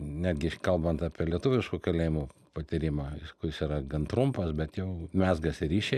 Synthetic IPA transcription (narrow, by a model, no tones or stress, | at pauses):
nʲæːd̪ʲɡʲɪkɐlˠbɐnt̪ɑːpʲiɛlʲiɛt̪ʊʋʲɪʃkuːkɐlʲeːjɪmupɐt̪ʲiɾʲɪmɑɪskʊjɪsiːɾɐɡɐnt̪ɾʊmpɐsbʲɛt̪jɛʊmʲæːzɡɐsɪɾʲiːʃʲɛ